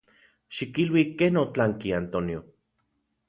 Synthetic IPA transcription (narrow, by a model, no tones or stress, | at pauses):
ʃikilwikeːnot͡ɬaŋkiant̪onio